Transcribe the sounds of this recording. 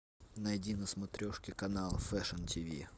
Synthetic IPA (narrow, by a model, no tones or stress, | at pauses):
nɐjdʲinəsmɐt̪ɾʲɔʂkʲɪkɐnalˠfɛʂəntʲʰivʲḭ